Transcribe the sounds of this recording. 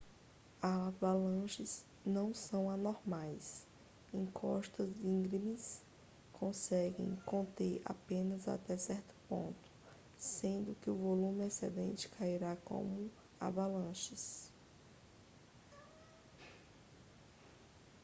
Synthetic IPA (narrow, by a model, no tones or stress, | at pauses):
aavalɐ̃ʃɪz̥ | nɐ̃w̃sɐ̃w̃anoɾmajs | ẽkʰɔ̰ʃt̪ɐzdĩɡɾimis | kʰõsɛɡḛ̃j̃kõnt̪eɾa̰pẽnɐza̰t̪ɛsɛɾt̪ʊ̥põ̰nt̪ʊ̥ | sẽnd̪ʊkɪʊvolũmɪasɛ̰d̪ẽnt͡ʃɪ̥kʰaiɾakõ̰mʊ | a̰balɐ̃ʃɪs